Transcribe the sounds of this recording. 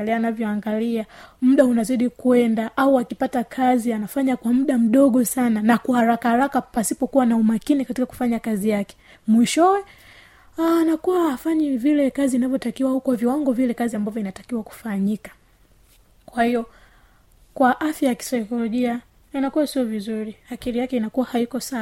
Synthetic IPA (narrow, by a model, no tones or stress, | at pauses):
lɛanavjɔaŋɡaliam̩ɗaunaziɗikuɛndaʔauakipatakʰazianafaɲakwam̩ɗam̩ɗɔɠɔsananakuhaɾakahaɾakapasipɔkuwanaumakinikatikaku̥faɲakazijakɛ̥ | mwiʃɔwɛ | aːnakuwaːfaɲɛvilɛkaziːnavjɔtakiwaukwaviwaŋɡɔvilɛkaziambavjɔinatḁkiwaku̥faɲikḁ | kwahijɔ | kwaʔafjajaki̥sajkɔlɔʄia | anakuwasiɔvizuɾiakiɾijakɛinakuwahaikɔsa